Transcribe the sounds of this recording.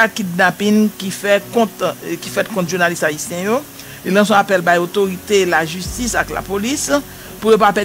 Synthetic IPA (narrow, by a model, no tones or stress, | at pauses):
akidnapinkifɛkɔ̃tkifɛt̚kɔ̃tʒunalistaisjɛ̃jo | lilʌ̃sɔ̃apɛlbajot̪oʁit̪elaʒystisakla̰polis | pujopapɛ